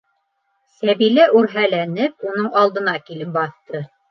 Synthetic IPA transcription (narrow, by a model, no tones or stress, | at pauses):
sæβilæʔʉɾɦælænɘp̚unɤɴɑlˠd̪ɤ̆nɑkilɘp̚bɑθt̪ɤ